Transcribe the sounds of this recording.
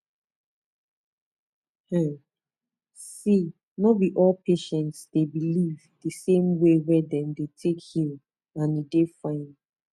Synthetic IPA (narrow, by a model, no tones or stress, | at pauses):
hɛ | si | nɔwiʔɔlpʰeʃɛ̃ntsdebilivdəsẽmwewɛdɛ̃mdetʰekhil | ãnidefãɪ̃n